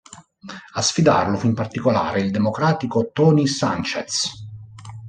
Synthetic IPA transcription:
asfid̪a̰rlʊfimpart̪ikola̰ːɾeild̪emokɾaːt̪ikot̪ɔːnisa̰nt͡ʃet̪s

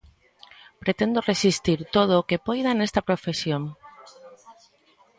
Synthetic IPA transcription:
pɾet̪end̪oresist̪iɾt̪oð̞okepojðanest̪apɾofesjon

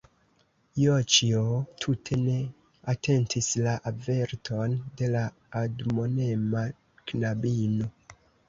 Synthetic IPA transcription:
jot͡ʃiotʰutʰe̞ne̞ | atʰe̞ntʰislaʔave̞ɾtʰo̞nde̞la | admo̞ne̞ma | knabino̞

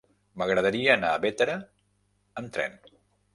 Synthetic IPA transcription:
məɣɾəð̞əɾiəːnaəβet̪əɾəː | mt̪ɾɛ̰n

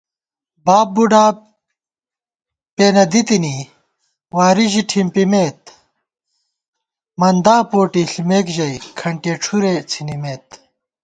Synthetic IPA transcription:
baːp̚buɖaː | peːnɐd̪it̪ini | waːɾiʑiʈʰimpimeːt̪̚ | mɐnd̪aːpoːʈiɬmeːkʑɐjkʰɐɳʈeːʈ͡ʂʰuɾet͡sʰinimeːt̪̚

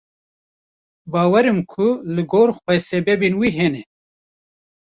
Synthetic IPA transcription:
baːwɐɾimkʰulɨɡoːɾxʷwɛsebebinwiɦene

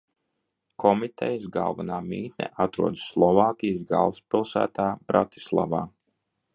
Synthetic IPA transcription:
kʰɔmit̪ʰɛ̰jsɡa̰lˠvanaːmiːt̪nʲɛ̰ʔat̪ɾuɔd̪sːlˠɔvaːkʲijsɡa̰lˠspilˠsæ̰ːt̪aːbɾat̪i̥slˠa̰va̰ː

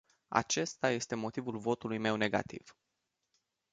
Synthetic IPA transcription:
a̰t͡ʃe̞st̪aje̞st̪e̞mo̞t̪ivulvo̞t̪ulujme̞wne̞ɡa̰t̪ḭv̥

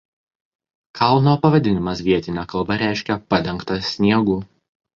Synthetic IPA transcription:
kʰɐˑlˠnoːpɐʋɐd̪ʲɪnʲɪmɐsʋʲiɛt̪ʲɪnʲɛkɐlˠbɐɾʲæˑɪʃʲkʲɛpɐd̪ʲɛŋkt̪ɐsʲnʲiɛɡuː

